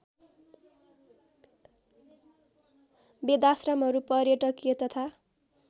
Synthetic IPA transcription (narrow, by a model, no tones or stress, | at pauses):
bed̪asrʌmɦʌɾupʌɾjeʈʌkijet̪ʌt̪ʰa